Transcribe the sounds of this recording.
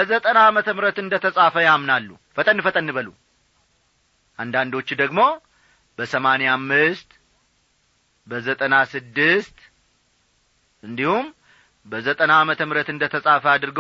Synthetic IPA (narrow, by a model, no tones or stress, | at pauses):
bəzət̪ʼənaːmət̪ʰəmɾət̪ɨnd̪ət̪ʰəsʼafəjamnalːṵ | fət̪ʼənːɨfət̪ʼənːɨβəlṵ | ʔand̪and̪o̞t͡ʃːd̪əɡmo̞ | bəsəmanejamːɨst̪ | bəzət̪ʼənasɨd̪ːɨst̪ | ɨnd̪ihum | bəzət̪ʼənaːmət̪ʰəmɨɾət̪ɨnd̪ət̪ʰəsʼafəad̪ɨɾɨɡ